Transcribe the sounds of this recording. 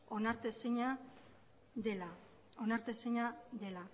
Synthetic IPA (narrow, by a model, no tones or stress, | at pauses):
onaɾt̪esiɲa | d̪ela | onaɾt̪esiɲaðe̞la